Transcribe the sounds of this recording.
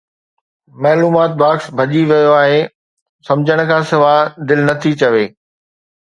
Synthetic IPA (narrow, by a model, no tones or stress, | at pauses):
maːluːmaːt̪̚baːksbʱɐʄiʋijoaːɦe | sɐ̃md͡ʑʱəɽ̃kʰãːsɪʋaːd̪ɪlnɐt̪ʰit͡ɕɐʋeː